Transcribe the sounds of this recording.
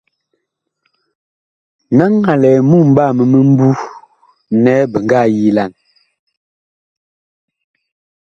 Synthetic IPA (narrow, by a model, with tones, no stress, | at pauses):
na˦ŋːa˨lɛ˨mu˦m̩˦ba˦˨mə˨mə˦m̩˦bu˦ | nɛ˦bə˨ŋɡa˦˨ji˦la˨n